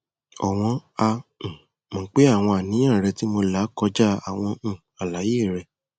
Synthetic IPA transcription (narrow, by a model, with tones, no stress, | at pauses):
ɔ̰˨w̃ɔ̃˧ã˧˨ | mɔ̃˨k͡pe˦a˦˨w̃ɔ̃˧a˨nĩ˨˦j̃ã˦˨ɾɛ˧ti˦mo˧la˨˦kɔ˧d͡ʒa˦a˦˨w̃ɔ̃˧˨ | a˨la˨˦jeː˦˨ɾɛ˧